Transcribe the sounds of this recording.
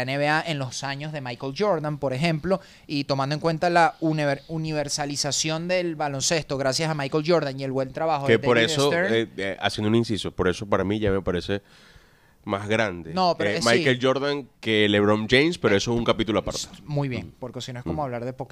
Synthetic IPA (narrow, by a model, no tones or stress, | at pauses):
eneβeaʔenlo̞saɲo̞zðe̞majkold͡ʒo̞ɾðampo̞ɾe̞xe̞mplo̞ | it̪omand̪oeŋkwe̞nt̪alaunɾuniβ̞e̞ɾsalisasjo̞nd̪e̞lβalo̞nse̞st̪o̞ɣɾasjasamajkolʝo̞ɾðaŋie̞lβwent̪ɾaβaxokepoɾesoeeʔa̰sjend̪uninsiso̞po̞ɾe̞so̞paɾamĩʝame̞paɾe̞se̞ | mazɣɾand̪enopeɾomajkeld͡ʒo̞ɾðaŋkeleβɾõmd͡ʒejnspeoe̞soesuŋkapit̪uloapa̰ɾt̪e̥mujβje̞̰ŋpoɾkesinoeskomoaβ̞laɾðepok